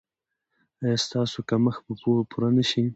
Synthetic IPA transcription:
ajɑst̪ɑsokaməxpəpupʰuɾanəʃi

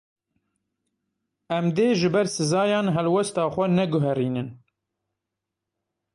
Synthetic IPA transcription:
ɛmd̪eːʒɨbɛɾsɨzɑːjɑːnɦɛlwɛst̪ɑːxʷɛnɛɡʊɦɛɾiːnɨn

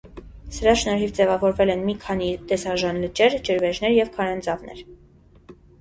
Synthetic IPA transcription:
səɾɑʃnɔɾɦivd͡zɛvɑvɔɾvɛlɛnmikʰɑnit̪ɛsɑʒɑnlət͡ʃɛɾd͡ʒəɾvɛʒnɛɾjɛvkʰɑɾɛnd͡zɑvnɛ̰ɾ

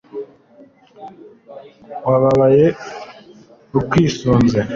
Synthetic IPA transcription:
waβaβaje | ukwiːsuːnze

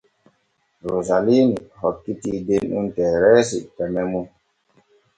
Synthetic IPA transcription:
ɾozalinihɔt̚kitidenuntɛɾɛsḭʔpɛmɛmun

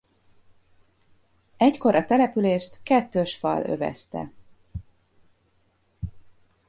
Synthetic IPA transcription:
ɛcko̞ɾʔɒt̪ɛlɛpyleːʃt̪kɛt̪ːøʃfɒ̰lø̞̰vɛ̰st̪ɛ̰

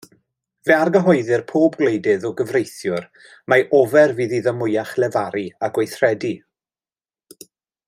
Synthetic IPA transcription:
vɛarɡəɦɔjðɨrpʰoːbɡlejdɨðɔɡəvrejθjʊr | majʔɔvɛrviːðiðəmʊjaχlɛvaɾiaɡwejθrɛdi

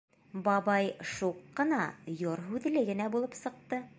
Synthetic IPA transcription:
bɑbɑjʃuqːɤ̆nɑjoɾɦʉðlɘɡɘ̆næbulˠɤpsɤ̆q̚t̪ɤ

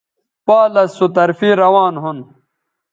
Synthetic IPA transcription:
paːlɐsːut̪ɐɾfiɾɐwaːnɦun

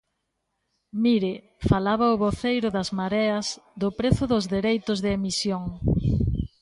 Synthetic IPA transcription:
miɾɪ | falaβɐʊβoθejɾʊðɐzmaɾɛɐzd̪ʊpɾeθʊðʊzðeɾejt̪ʊzðɪemisjoŋ

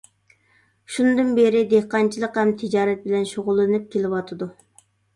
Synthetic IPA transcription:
ʃunɨd̪ɨnbeɾɪd̪ehqɑnt͡ʃʰilˠəqhɛmt̪ʰɪd͡ʒɑːɾɛt̪̚bɪlɛnʃoʁʊlˠːɨnɨp̚kʲʰelɪwɑt̪ʰɨd̪u

